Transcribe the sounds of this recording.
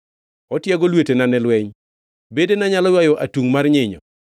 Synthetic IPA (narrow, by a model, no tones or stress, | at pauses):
ɔtjɛɡɔlwetenanɛlwɛɲ | bedenaɲalɔjwajɔʔatuŋmarɲɪɲɔ̰